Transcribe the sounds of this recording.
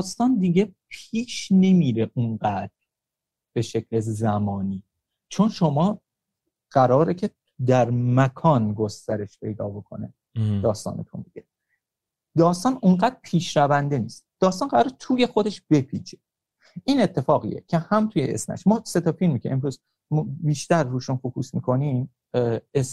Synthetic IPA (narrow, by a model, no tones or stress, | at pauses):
d̪̥ɒːst̪ɒːnd̪iɟe̞pʰiːʃne̞miːɾeʔunɢæːd̪̥ɾ | b̥e̞ʃe̞cʰlezæmɒːniː | t͡ʃʰo̞nʃomɒː | ɢ̥æɾɒːɾecʰe̞ | d̪æɾmækʰɒːnɡo̞st̪æɾe̞ʃpʰe̞jd̪ɒ̰ːbo̞kʰo̞̰ne | d̪̥ɒːst̪ɒ̰ːnḛt̪ʰomiɡe | d̪ɒːst̪ɒːnunɢæd̪̥ɾpʰiːʃɾævænd̪e̞niːst̪d̪̥ɒːst̪ɒːnɢæɾɒːɾet̪ʰuːje̞xod̪e̞ʃb̥e̞pʰḭːt͡ʃʰe | ʔiːnet̪ʰːe̞fɒːɣḭjḛcʰe̞hæmt̪ʰuːjeʔḛsmæ̰ʃmɒːse̞t̪ʰɒfilmicʲʰeʔemɾuːz | biːʃt̪æɾːuːʃunfokʰṵːsmḭkʰo̞nim | es